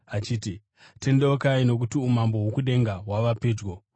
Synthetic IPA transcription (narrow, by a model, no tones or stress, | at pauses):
at͡ʃiːti | te̞ndeokaino̞k̬utiumambo̞ɦukuɗe̞ŋɡaɦwaʋapeːd͡ʒɡo